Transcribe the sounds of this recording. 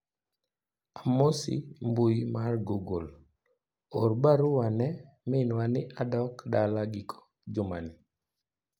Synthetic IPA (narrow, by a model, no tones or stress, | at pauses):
amosḭmbujimarɡoɡol | orbaɾʊwanɛ | mɪnwanɪʔadɔkdalaɡɪkʰɔ̥ | d͡ʒʊma̰nɪ